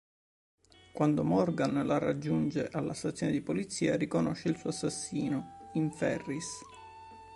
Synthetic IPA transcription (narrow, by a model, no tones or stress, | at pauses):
kwand̪omɔrɡanlara̰d͡ʒːund͡ʒeʔalːast̪at̪sjoːned̪ipolit̪siːarikonɔʃːelsuːasːasːiːnoiɱfɛrːis